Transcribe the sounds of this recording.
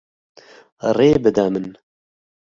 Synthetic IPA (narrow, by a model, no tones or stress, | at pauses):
reːbɨd̪ɐmɨn